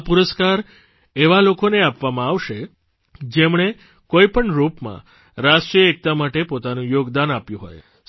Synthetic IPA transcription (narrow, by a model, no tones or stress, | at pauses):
puɾəskaɾ | eʋalokoneapʋamãaʋʃe | d͡ʒemɳ̃e | koipəɳɾupmã̰ | ɾaʃʈɾijəek̚t̪amaʈepot̪anũjoɡd̪anapjũɦo̰j